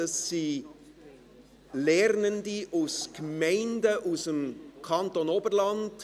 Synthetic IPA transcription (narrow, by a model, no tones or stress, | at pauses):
ɑsːiː | lɛɾnəndiʔuskmɛɪndəʔusəmkʰɑntonoːbəɾlɑnd